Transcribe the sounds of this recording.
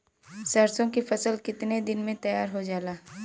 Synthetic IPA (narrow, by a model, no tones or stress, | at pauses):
sɐɾsõkifɐsəlkɪt̪ned̪ɪnmẽt̪ɐjaːɾɦod͡ʒaːlaː